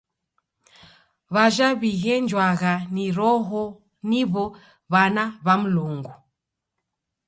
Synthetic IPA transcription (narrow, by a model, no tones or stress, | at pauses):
βaʒaβiɣɛnd͡ʒwaɣaniɾɔɦɔ | niβɔ | βanaβam̩luŋɡu